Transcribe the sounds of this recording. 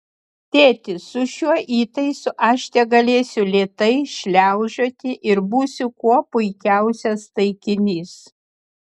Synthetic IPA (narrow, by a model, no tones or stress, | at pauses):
t̪ʲeːt̪ʲɪsʊʃʲuɔʔiːt̪ɐɪsʊʔɐʃʲt̪ʲɛɡɐlʲeːsʲʊlʲeːt̪ɐɪʃʲlʲæˑʊʒʲoːt̪ʲɪʔɪɾbuːsʲʊkuɔpʊɪkʲæˑʊsʲɛst̪ɐɪkʲɪnʲiːs